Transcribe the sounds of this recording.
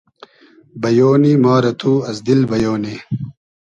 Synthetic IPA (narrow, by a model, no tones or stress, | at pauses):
bɐjoːnimaːɾɐt̪ʰuːɐsd̪ilbɐjoːne